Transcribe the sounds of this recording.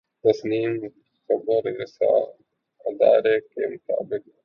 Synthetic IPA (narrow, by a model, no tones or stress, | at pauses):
t̪ɐsniːm | xɐbəɾɪsa̰ː | ɪd̪aːɾeːkemʊt̪a̰ːbɪk̚